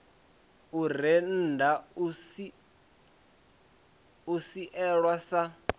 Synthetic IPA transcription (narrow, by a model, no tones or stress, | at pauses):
ur̤ɛn̩ːdausi | usiʔɛɺwasa